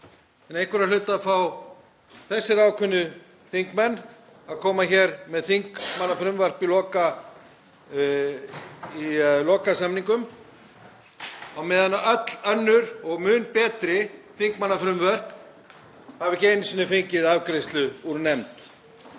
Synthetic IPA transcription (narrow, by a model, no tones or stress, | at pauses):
ɛnejhkʏɾalʏːt̪aðfaw | θɛsːɪɾaːwkʰʏnːʏ | θiŋkmɛnː | aðkʰɔːmaçɛːɾmɛðθiŋkmanːafɾʏmvœr̥pilɔːka | ilɔːkasamniŋkʏm | awmɛːðanːaʔœt̪l̥œnːʏɾɔɣmʏːnpɛːt̪ɾɪθiŋkmanːafɾʏmvœr̥p | havɪcejnʏsinːʏfejɲcɪðavkɾejst̪lʏuɾnɛmt̪